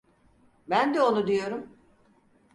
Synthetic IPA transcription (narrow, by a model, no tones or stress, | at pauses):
bænd̪ɛo̞nud̪ijo̞ɾum